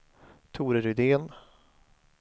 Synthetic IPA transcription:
t̪ʰuːɾəɾʏd̪eːn

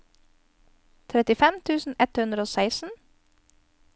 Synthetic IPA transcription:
t̪ʰɾɛt̪ɪfɛmt̪ʰʉːsn̩ɛt̪hʉnd̪ɾəoːsæɪsn̩

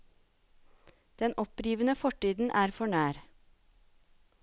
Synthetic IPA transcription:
d̪̥ɛnʔɔpɾiːʋənəfɔʈiːd̪n̩ʔæːɾfɔɳæːɾ

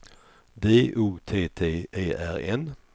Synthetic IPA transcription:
d̪eːʔuːt̪ʰeːt̪ʰeːʔeːʔæ̰ɾɛn

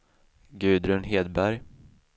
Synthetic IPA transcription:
ɡʉ̟ːd̪ɾɵnɦeːd̪bæɾj

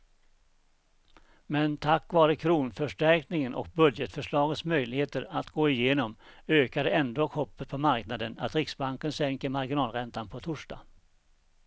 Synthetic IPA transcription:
mɛnt̪ʰakːvɑːɾəkʰɾuːnfœʂʈæɾknɪŋənʔɔ̰k̚bɵd̪jət̪fœʂɭɑːɡət̪smœjlɪheːt̪əɾat̪ɡoːɪjeːnɔmøːkad̪əɛnd̪oːkʰɔpːət̪̚pʰɔmaɾknad̪əna̰t̪ɾɪksbaŋkənsɛŋkəɾmaɾɡɪnɑːlɾɛnt̪anpʰɔt̪ʰʊʂɖ̥ɑ̰ː

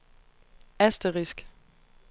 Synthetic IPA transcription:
æsd̥əʁisɡ̥

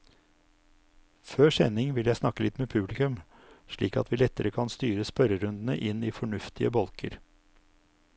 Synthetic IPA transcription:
føːʂɛnɪŋʋɪljæɪsnɑkːəlɪt̪meːpʰʉblɪkʉm | ʂɭiːkɑ̰t̪ʰʋiːlɛt̪ːəɾəkʰɑnst̪yːɾəspœɾəɾʉnd̪n̩ə̰ʔɪniːfɔɳʉft̪ʰɪəbɔlkʰə̰ɾ

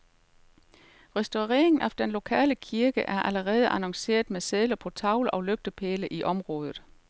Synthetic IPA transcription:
ʁɛsd̥o̝ʁɛ̰ːeŋn̩æfd̥enlo̝kʰɛ̰ːləkʰiɐɡ̥əʔæɐʔæləʁɛːð̞ˠəʔænɒŋse̝̰ːɐðˠmeseðˠlɐpʰɒ̽t͡sʰɑ̈ʊlʔɒ̽løɡ̥̚d̥əpʰeːləʔiʔɒ̽mʁɔ̽ːð̞ˠð̩ˠ

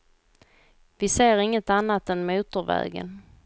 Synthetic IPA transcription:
vɪseːɾɪŋːət̪anːat̪ɛnmuːt̪əɾvɛ̰ːɡə̰n

